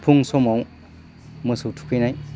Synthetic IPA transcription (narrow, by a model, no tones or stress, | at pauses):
pʰuŋsɔmaw | mɯsɯtʰu̥kʰɯjnaj